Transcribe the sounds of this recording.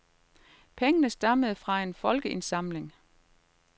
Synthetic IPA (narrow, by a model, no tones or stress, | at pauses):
pʰeŋənəsd̥ɑ̈məð̞̩ˠfʁɑ̈e̝nfɒ̽lɡ̥əʔe̝nsɑ̈mle̝ŋ